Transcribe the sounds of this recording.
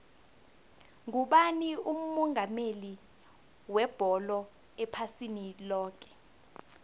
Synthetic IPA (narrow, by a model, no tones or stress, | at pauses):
ŋuɓanium̩mɔŋʱameli | wɛb̥ʱɔlɔ | ɛpʰasinilɔːk̬ɛ̥